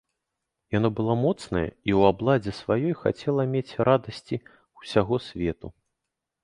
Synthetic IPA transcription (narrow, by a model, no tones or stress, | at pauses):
janɔbɨlˠɔmɔt̪snɐjɛ̰iwablˠad͡zʲɛsvajɔjxa̰t͡sʲɛlˠɐmʲet͡sʲɾad̪ɐsʲt͡sʲi | usʲaɣɔsʲvʲɛt̪u